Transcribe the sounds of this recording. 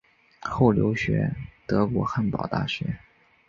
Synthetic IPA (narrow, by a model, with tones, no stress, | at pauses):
xo˥˩ʊljo̰˧˥ʊɕɥɛ̰˧˥t̪ɤ˧˥kwɔ˧˥xa˥˩npɑ̰˨˩ʊt̪a̰˥˩ɕɥɛ˧˥